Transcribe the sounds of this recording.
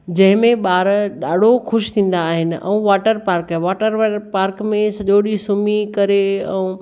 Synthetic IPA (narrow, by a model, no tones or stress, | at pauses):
d͡ʑɐ̃ɦɪ̃mẽɓaːɾɗaːɖ̤ʱoxʊʃt̪ʰĩːn̆d̪aːɦɪnɪ̆ʔɛ̰ũʋaːʈəɾpaːɾkʋaːʈəɾpaːɾkmẽsɐʄoɗisumikɐɾeɛ̃ũ